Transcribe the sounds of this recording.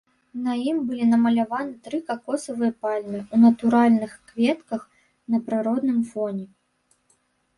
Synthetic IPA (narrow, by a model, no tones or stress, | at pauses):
nɐjimbɨlʲinɐmɐlʲavanɨt̪ɾɨkɐkɔsɐvɨjɐpalʲmɨunɐt̪uɾalʲnɨxkvʲɛt̪kɐx | nɐpɾɨɾɔd̪nɨmfɔnʲɛ